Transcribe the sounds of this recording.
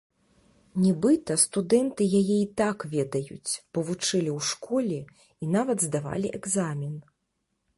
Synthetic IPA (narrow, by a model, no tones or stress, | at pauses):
nʲɛbɨt̪ɐst̪ud̪ɛnt̪ɨjajɛit̪akvʲɛd̪ɐjṵt͡sʲb̥ɔvut͡ʂɨlʲiwʂkɔlʲɛ | inavɐd̪zd̪ava̰lʲiʔɛɡzamʲin